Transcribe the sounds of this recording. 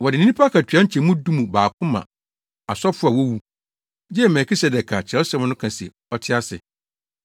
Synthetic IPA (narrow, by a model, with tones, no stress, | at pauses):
wɔ˨dɪ˨nĩ˦nĩ˦pʰa˦kʰa˨tʰɥa˦ɲ̩˦t͡ɕʰɛ˨mũ˦dũ˦mũ˨baː˨kʰʊ̃˦mã̰˨ | a˨sɔ˦fʊ˦a˨wɔ˦wu˦ | d͡ʑɛ˦˨mɛ˨kʰi˦sɛ˨dɛ˨kʰa˨t͡ɕʰɛ˨o˦sa˦˨ɛ̃˨nʊ̃˦kʰã˨sḭ˨ | ɔ˦tʰɪ˦a˦sɪ̰˨